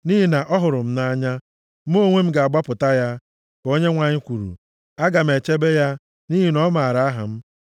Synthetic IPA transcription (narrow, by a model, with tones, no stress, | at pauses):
ni˦ɦi˨na˨ʔɔ˦ɦʊ˨ɾʊ˨m̩˦na˦ɲa˦ | m˦o˦ŋʷe˦m̩˦ɡa˨a˨ɡ͡ba˦pʊ˨ta˦ja˦ | ko˦ɲe˦ŋʷa˨ɲɪ˦kʷu˨ɾṵ˨ | a˦ɡa˨m̩˨e˨t͡ʃe˦be˦ja˦ | ni˦ɦi˨nɔ˦ma˨a˨ɾa˨a˦ɦa̰˨m̩˦